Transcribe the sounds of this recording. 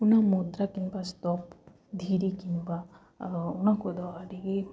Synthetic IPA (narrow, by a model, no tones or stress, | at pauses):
unamud̪ɾakinbast̪ɔp | d̪ʱiɾikinba | unakud̪ɔaɾiɡi